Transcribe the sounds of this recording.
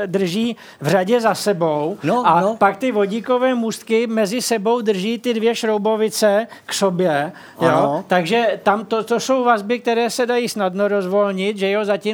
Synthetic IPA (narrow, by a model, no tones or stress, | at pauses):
d̪r̩ʒiː | vraɟɛzasɛbo̞wapakt̪ɪvo̞ɟiko̞vɛːmust̪kɪmɛzɪsɛbo̞wd̪r̩ʒiːt̪ɪdvjɛʃɾowbo̞vɪt͡sɛksobjɛ | joːt̪aɡʒɛt̪amt̪ot̪oso̞wvazbɪk̚t̪ɛɾɛːsɛdajiːsnadnoɾo̞zvo̞lɲɪt̪ʒɛjɛɦozaci